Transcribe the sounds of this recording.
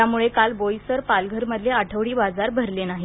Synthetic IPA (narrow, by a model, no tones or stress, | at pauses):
amuɭekalbojsəɾpalɡʱəɾməd̪ʱljeaʈʰəʋɽiːbad͡zaɾbʱəɾlenaɦi